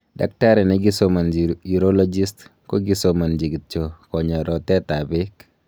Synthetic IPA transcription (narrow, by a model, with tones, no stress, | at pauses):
da̰˨k̚ta˦ɾɛ˨nɛ˦ɡi˦so˦ma˨nd͡ʒii˨ɾo˦lɔ˦d͡ʒi˦stko˦ɡi˦soma˨nd͡ʒi˨ɡi˨t̚t͡ʃo˨kɔ˨ɲa˨ɾɔ˨tɛ˦ta˨bɪ˦k